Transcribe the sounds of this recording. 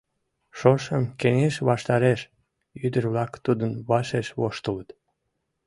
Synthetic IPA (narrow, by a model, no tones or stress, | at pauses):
ʃoʃəmkeneʃβɑʃt̪ɑɾeʃ | yd̪ərβlɑkt̪ud̪ənβɑʃeʃβoʃt̪ələt̪